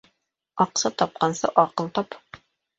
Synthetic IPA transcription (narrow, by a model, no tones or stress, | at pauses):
ɒqsɤt̪ɒp̚qɑnsɤʔɒqɤlˠt̪ɒp